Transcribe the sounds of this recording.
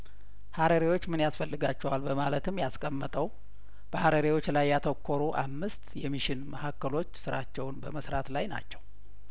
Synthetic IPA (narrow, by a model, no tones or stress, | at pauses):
haɾəɾiwo̞t͡ʃːmɨnjasfəlːɨɡat͡ʃːɛwalbəmalət̪ʰɨmːjaskʼəmːət̪ʼəw | b̥əhaɾəɾiwo̞t͡ʃːlajːat̪ʰəkʰːoɾuʔa̰mːɨst̪jɛmiʃɪnməhakːəlo̞t͡ʃːsɨɾat͡ʃːɛwnbəməsɾat̪lajna̰t͡ʃːɛw